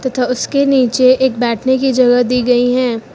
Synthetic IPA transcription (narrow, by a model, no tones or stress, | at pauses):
t̪ɐt̪ʰaʊskeniːt͡ʃeeːk̚bɛːʈʰnekid͡ʒɐɡəd̪iːɡɐiɦɛ̃ː